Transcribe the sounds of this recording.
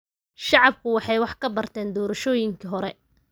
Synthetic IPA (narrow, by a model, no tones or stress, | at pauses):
ʃɑʕɑb̚kʰʊwɑħɑjwɑħkʰɐbɐrt̪ʰɛːnd̪ɔːɾɐʃɔːjɪŋkʰiɦɔɾɛ